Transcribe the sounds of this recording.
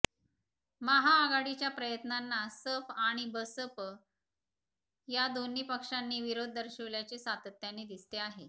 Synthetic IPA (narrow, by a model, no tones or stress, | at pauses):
maɦaːɡaɽit͡ɕjapɾəjət̪nanːasəfaɽ̃ibəsəp | jad̪onːiːpəkʂanːiːʋiɾod̪ʱːəɾɕəʋljat͡sesat̪ət̪janed̪ist̪eaɦe